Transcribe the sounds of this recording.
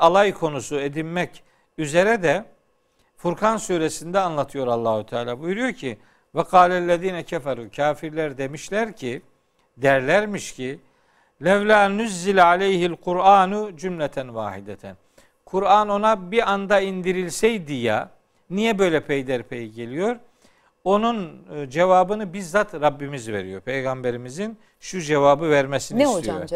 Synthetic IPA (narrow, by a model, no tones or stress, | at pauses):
alˠajkʰo̞nusued̪inmɛc | yze̞ɾɛd̪ɛ | fuɾkʰansuɾesind̪ɛanlˠat̪ʰɯjo̞ɾalˠːaːhut̪ʰaːlʲaːbujuɾujo̞ɾcʰi | vɛqʰɑːlʲælʲːeðiːnɛcʰɛfaɾuːcʰaːfiɾlʲæɾd̪e̞miʃlʲæɾcʰi | d̪æɾlʲæɾmiʃcʰi | lʲɛvlʲaːnuzːilʲʕalʲejhilqʰuɾaːnud͡ʒumlʲɛt̪ʰænvaːhid̪ɛt̪ʰæn | kʰuɾaːno̞nabiand̪aind̪iɾilʲsɛjd̪ijɛ̰ | nijɛbø̞jlʲɛpʰejd̪æɾpʰejiɟelʲijo̞ɾ | o̞nund͡ʒevaːbɯnɯbiɾzat̪ɾabːimizvḛɾijo̞ɾpʰejɡambeɾimizin | ʃud͡ʒevaːbɯvæɾmesinisoio̰